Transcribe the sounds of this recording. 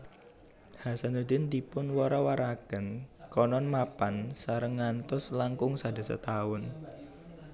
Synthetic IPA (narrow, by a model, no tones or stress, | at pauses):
hasanud̪ɪnd̪ipʊnwɔɾawaɾakənkɔnɔnmapansaɾəŋːant̪ʊslaŋkʊŋsada̤sə̰t̪aʊn